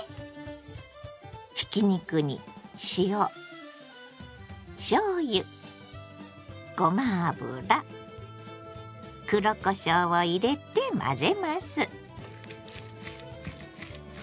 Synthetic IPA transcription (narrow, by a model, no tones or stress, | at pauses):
çi̥kʲiɲ̟ikɯ̟ɲ̟ḭɕio | ɕoːjɯ | ɡ̥omabɯ̰ɾa | kɯ̟ɾokoɕoːoiɾe̞t̪e̞mʔa̰ze̞masɨ